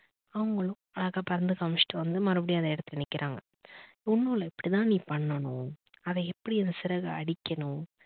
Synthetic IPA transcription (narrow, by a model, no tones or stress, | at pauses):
ɐʋɐŋɡɐɭʊ̃ɐɭɐɣaːpɐɾɐnd̪ɯkɐmʂʈɯʋɐnd̪ɯmɐɾɐbɐɽɪjaɐðɐɛɽɐt̪ːɯlɛnɪkːɪɾʔaːŋɡɐ | ʊnːuːlɐɛpːɐɽit̪ãːniːpɐɳːɐɳʊ̃ɐðɐɛpːɐɽiɛnd̪ɐsɪɾɐɣɐɐɽɪkʲːɐnʊ̃